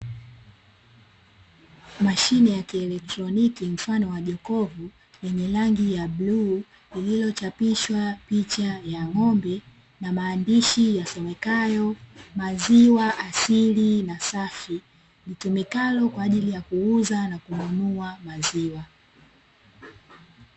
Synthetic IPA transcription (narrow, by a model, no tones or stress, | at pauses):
maʃinɛjakiɛlɛk̚tɾɔnikim̩fanɔwaʄɔkɔvu | jɛɲɛlaŋɡijaɓluː | lililɔt͡ʃapiʃwapit͡ʃajaŋɔmbɛ | namaːndiʃijasɛmɛkajɔmaziwaʔasilinasafi | litumikalɔkwaːʄilijakuuzanakumunuamaziwa